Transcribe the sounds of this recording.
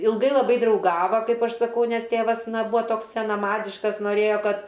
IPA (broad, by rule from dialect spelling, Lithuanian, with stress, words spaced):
ɪlˠˈɡɐɪ lˠɐˈbɐɪ drɐʊˈɡɑːʋɐ ˈkɐɪp ˈɐʃ sɐˈkɐʊ ˈnʲɛs ˈtʲeːʋɐs ˈnɐ ˈbuːɐ ˈtoːks sʲɛnɐˈmɑːdʲɪʃkɐs noːˈrʲeːjoː ˈkɐt